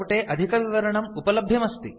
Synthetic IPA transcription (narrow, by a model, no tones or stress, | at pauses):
ʈeːʔɐd̪ʱikɐʋiʋɐɾɐɳɐmupɐlɐbʱjɐmɐst̪i